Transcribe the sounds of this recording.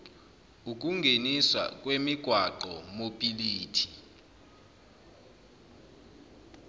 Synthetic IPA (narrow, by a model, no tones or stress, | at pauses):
uk̬ʼuŋɡʱeniswa̰k̬ʼwemiɡ̥ʱwaǃɔmopʼiliːtʰi̥